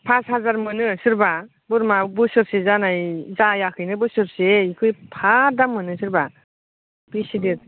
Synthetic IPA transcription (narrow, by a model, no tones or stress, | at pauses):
pʰashazaɾmɯnɯsɯɾba | bɯɾmabɯsɯɾsezanajzajakʰɯjnɯbɯsɯɾseikʰɯjpʰadamːɯnɯsɯɾba | b̥isidet̚